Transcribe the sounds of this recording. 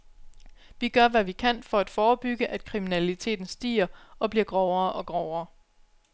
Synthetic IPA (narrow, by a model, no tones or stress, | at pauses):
ʋiɡ̥ɶɐʋæʋikʰæn̰fɒ̽æd̥fɒːb̥yɡ̥əʔæd̥̚kʰʁiminælit͡sʰe̝̰ːd̥n̩sd̥ḭːɐɒ̽b̥liɐɡ̥ʁɒʊɐːʔɒ̽ɡ̥ʁɒʊɐː